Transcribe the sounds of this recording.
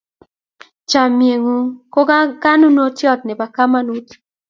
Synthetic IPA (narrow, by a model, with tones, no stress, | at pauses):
t͡ʃa˨mje˨ŋu˨ko˦ɡa˦ɡa˦nu˦no˦tjɔ˦˨t̪̚nɛ˨ba˨ka˦ma˦nu˦t̪